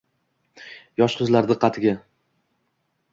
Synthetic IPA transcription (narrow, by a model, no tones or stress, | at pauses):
jɒʃqʰʊzlaɾd̪ɪqʰɑt̪ʰɪɡʲa